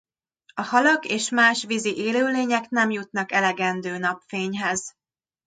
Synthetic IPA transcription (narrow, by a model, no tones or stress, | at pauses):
ɒhɒlɒɡeːʃmaːʃʋiziʔeːløːleːɲɛknɛmjut̪nɒkɛlɛɡɛnd̪øːnɒpfeːɲɦɛz